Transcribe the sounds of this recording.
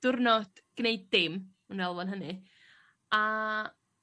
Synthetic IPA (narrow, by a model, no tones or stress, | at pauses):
d̥ʊrnɔd̥ɡ̥nejdːɪm | unɛlˠvɔnɦənɨ | a